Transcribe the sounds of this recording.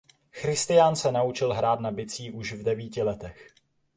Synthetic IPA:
xɾɪst̪ɪjaːnsɛnaut͡ʃɪlɦɾaːt̪nabɪt͡siːʔuʃvdɛviːcɪlɛt̪ɛx

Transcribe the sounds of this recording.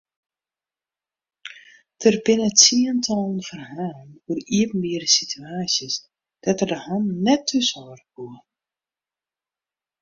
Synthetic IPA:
d̥ərbɪnəsiəntʰɔlˠənfərɦaːnuəriəpn̩mɪərəsitʰyaːsjəs | d̥atərdəhannɛtʰːøsɔːrkuə

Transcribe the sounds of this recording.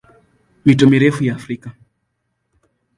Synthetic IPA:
mitɔmiɾɛfujaːfɾika

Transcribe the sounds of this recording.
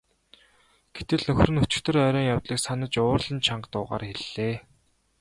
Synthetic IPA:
ɡ̥et̪ɘ̆ɮnɵxʲrɘ̆nɵt͡ɕɪ̥̆kt̪ɵ̆rœːɾɔːŋjawt̪ɮiːksanə̆t͡ɕʊːrɮə̆nt͡ɕʰaɴɢt̪ʊːʁa̰ːrxeɮːeː

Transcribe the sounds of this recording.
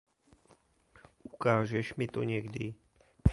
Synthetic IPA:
ʔukaːʒɛʃmit̪ɔɲɛɡd̪i

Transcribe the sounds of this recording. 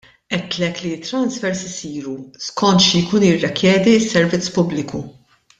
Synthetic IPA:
ʔɛt̪ːlɛkliɪt̪ːɾɐnsfɛɾsɪsiːɾuskʰɔnt̪ʃijkuːnjɪrːɛkjɛːd̪iɪsːɛɾvɪt͡sːpʊblɪku

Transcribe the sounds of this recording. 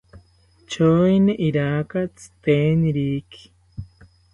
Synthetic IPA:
t͡ʃoineʔiɾakat͡si̥t̪eniɾiki̥

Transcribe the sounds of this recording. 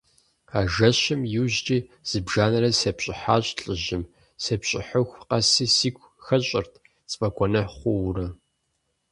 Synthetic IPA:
aːʒɐɕɪmjɪʑt͡ʃʼiːz̥ɨbʒaːnɐɾɐsɐpɕʼɪħaːɕʼɬʼɨʑɪm | sɐpɕʼɪ̰ħʊxʷqɐsiːsiːkʷʰʼ | xɐɕʼɪrtʰ | t͡sʼpʼɐkʷʰʼɔnɐħχʷʊwrɐ

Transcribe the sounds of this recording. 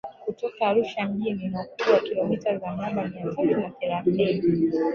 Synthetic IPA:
kutɔkaːɾuʃam̩ɡininakuɓwakilɔmitazanaɓamiatalinaθɛɾaθini

